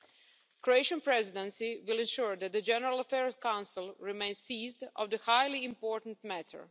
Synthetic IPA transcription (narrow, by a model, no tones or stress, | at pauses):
kɾoeɪʃə̃npɾɛzɪdɛ̃nsiwɪlˠɪ̃nʃuɹd̪æt̪̚d̪əd͡ʒɛnɛɾalˠafɛɹkãw̃nsɪlˠɾimẽɪnsiːzdɔ̰ʋd̪əhajlˠĩːmpoːɹt̪n̩t̪mætʰə̰ɹ